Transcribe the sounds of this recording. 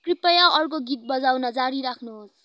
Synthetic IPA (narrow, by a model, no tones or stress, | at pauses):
kripʌjaʔʌrk̬oɡit̪̚bʌd͡zawnʌd͡zaɽiɾakʰnuɦos